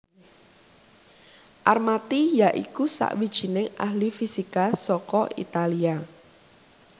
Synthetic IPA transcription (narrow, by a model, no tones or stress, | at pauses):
ʔarmat̪ijaʔḭkusa̰ʔwid̥ʒ̥i̤nɪŋa̰hlifisikasɔkɔʔḭt̪alia